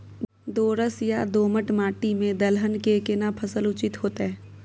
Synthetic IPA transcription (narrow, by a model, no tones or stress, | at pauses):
d̪oːɾəsja̰d̪oːməʈmaːʈimẽd̪əlɦənkekenapʰəsəlʊt͡ʃɪt̪ɦoːt̪eɦɛ̃ː